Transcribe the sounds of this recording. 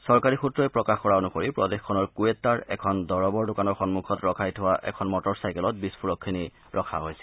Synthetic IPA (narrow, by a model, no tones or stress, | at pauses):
sɔɹkaɹixutɹɔjpɹɔkaxkɔɹaonukoɹipɹɔdexkʰːɔnɔɹkuetːaɹɛ̰kʰɔndɔɹɔbɔɹdokanɔɹxɔnmukʰɔtɹɔkʰajtʰʊwaʔɛ̰kʰɔnmɔtɔɹsajkɛlɔt̚bispʰuɹɔkʰːini | ɹʔɔkʰa̰ɦojsɛ̥